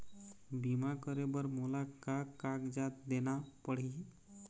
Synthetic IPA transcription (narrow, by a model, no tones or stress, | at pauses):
biːmakəɾebəɾmoːlakakaɡd͡ʒaːt̪̚d̪eːnapəɽ̤i